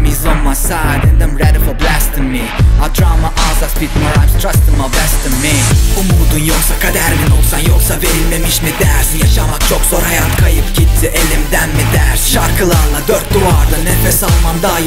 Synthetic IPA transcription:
mizomːasad̪ɛnd̪amɾɛd̪fblɛst̪mːiad̪ɾaːmaʔazaspit̪maɾajmst̪ʰɾast̪ɨmablɛst̪ɯmːiumuːd̪unjolˠsakʰad̪æɾminolˠsanjolˠsaveɾilʲmemiʃmid̪æɾsjaʃamak̚t͡ʃʰo̞kz̥oɾhajat̪kʰajɯpcʰit̪t̪ʰiʔelʲimd̪ænmid̪æɾsʃaɾkʰɯlˠaɾlˠad̪øɾt̪̚d̪uɾaɾd̪ɯnɛfɛsalˠmand̪a

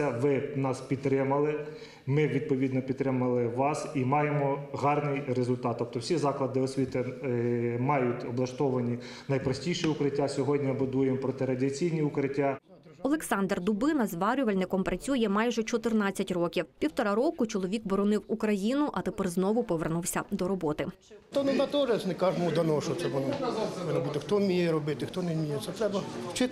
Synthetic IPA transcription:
ɐʋɪnɑspʲid̪t̪ːɾɪmɐlˠɪ | mɪʋʲid̪̚pɔʋʲid̪nɔpʲid̪ːɾɪmɐlˠɪʋɑsimɑjemɔɦɑrnɪjɾezʊlʲt̪ɑt̪ːɔp̚t̪ɔwsʲizɑklˠɐd̪ɪɔsʲʋʲit̪ɪ | mɑjʊtʲɔblˠɐʃt̪ɔʋɐnʲinɐjpɾɐsʲtʲijʃiʊkɾɪtʲːasʲɔɦɔdʲnʲibʊd̪ujemɔpɾɔt̪ɪɾɐdʲiɐt͡sʲijnʲiʊkɾɪtʲːa | ɔlˠeksɑnd̪rd̪ʊbɪnɐzʋɑɾʲʊʋɐlʲnɪkɔmpɾɐt͡sʲujɛmɑjʒɛt͡ʃɔt̪ɪrnɑt͡st͡sʲːɐtʲrɔkʲiwpʲiwt̪ɔɾɑɾɔkʊt͡ʃɔlˠɔʋʲikbɔɾɔnɪwukɾɐjinʊʔɐt̪epɛrznɔʋʊpɔʋernuwsʲɐd̪ɔɾɔbɔt̪ɪ | t̪ɔnʊnɑt̪ɔʒɛsnɪkɑʒmɔd̪ɐnɔʃɔt̪sɛʋɔnɔpɔʋɪnɐbut̪ɪxt̪ɔmʲijɛɾɔbɪt̪ɪxt̪ɔnemʲijɛtsɛt̪ɾɛbɐt͡ʃɪ

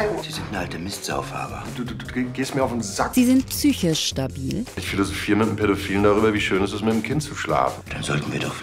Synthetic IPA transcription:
z̥iːzɪntnəʔaltəmɪstz̥a̰ʊfha̰ːbə̰d̥uːduːduːɡeːstmiɐaʊfnzakz̥iːzɪntpsyːçəʃtabiːlʔɪçfilozofiːʁəmɪtmpʰeɐdofiːlən̩daʁ̞yːbɐviːʃøːnɛɪs̬tɛsmɪtdɪmkʰɪntt͡suʃla̰ːfn̩d̥anzɔltn̩viːɐdɔχ

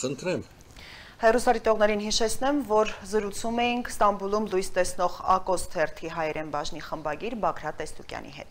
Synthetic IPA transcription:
ənt̪ɾɛm | hɛrusɑɾit̪ɔʁnɛɾinɦiʃɛt͡sʰnɛmvɔɾzəɾut͡sʰumɛjiŋkʰst̪ɑmbulumlujst̪ɛsn̪ɔʁɑ̰kɔst̪ʰɛrt̪ʰiɦɑjɛɾɛmbɑʒniχəmbɑɡiɾbɑkʰɾɑt̪ɛst̪ukjɑ̰nḭɦɛ̰t̪

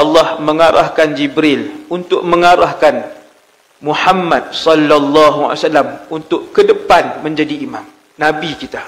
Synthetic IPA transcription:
ʔɑlːɑhməŋaɾa̰hkand͡ʒibɾɪlunt̪ʊʔmə̃ŋaɾahkan | muħamːat̪̚sɔlːalːɑɦua̰salːamunt̪ʊʔkədəpanmə̃ɲd͡ʒadiːmãm | nabikit̪a

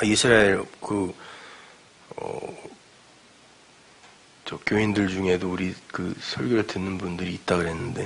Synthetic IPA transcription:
aisʰɯɾaeɾkɯ | ʌ̰ | t͡ɕʌkjoindɯɭd͡ʑuŋɦe̞douɾikɯsʰʌɭɡjoɾɯɭtɯnːɯnbundɯɾiːt̚t͈aɡɯɾɦe̞nːɯnde̞

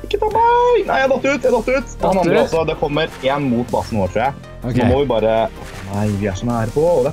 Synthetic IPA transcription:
kːət̪ɑbɑnæ̰ɪjæhɑd̪ɔt̪ːəɾʉːt̪jæhd̪ɑt̪ːəɾʉːt̪ɔhɑnɑnɾɔsːɔd̪ɛkʰɔmːəɾeːnmuːt̪̚bɑsn̩ʋoːɾʈ̪ʰɾuːjæɪ | ɔːmɔʋɪbɑːɾə | næɪʋɪæʂɔnæːɾəpɔd̪ɛ

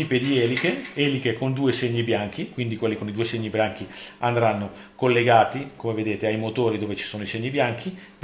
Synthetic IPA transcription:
ipːed̪iɛlikeɛːlikekond̪uːeseɲːibjaŋkikwind̪ikwelːikonid̪uːeseɲːibjaŋk̟iand̪ɾanːo | kolːeɡaːt̪ikomeved̪eːt̪eajmot̪oːɾid̪oːvet͡ʃi̥soːnoiseɲːibjaŋkʰip

